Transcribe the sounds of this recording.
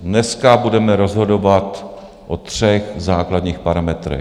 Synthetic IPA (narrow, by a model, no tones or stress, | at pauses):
nɛskabudɛmɛɾozɦo̞do̞vat̪ | ʔot̪r̝̥ɛxzaːkladɲiːxpaɾamɛt̪ɾɛ̰